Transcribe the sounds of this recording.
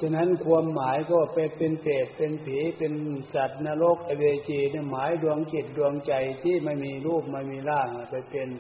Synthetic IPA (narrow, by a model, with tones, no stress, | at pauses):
t͡ɕʰa˧na˦˥˨nkʰu˧əmːaː˨˦jkʰɔ˧˥˧pa˧jpe˧npɛː˨˩t̪̚pe˧npʰeː˨˦pe˧nsa˨˩t̪̚naː˧lo˦˥˩k̚ʔa˧weː˧t͡ɕeː˧ni˧˩maː˨˦jdu˧əŋke˨˩t̪̚du˧əŋt͡ɕa˧jt̪ʰiː˥˩˨ma˥˩jmiː˧luː˥˩p̚ma˧˩jmiː˧laː˥˩ŋa˧˩pa˧jpe˧n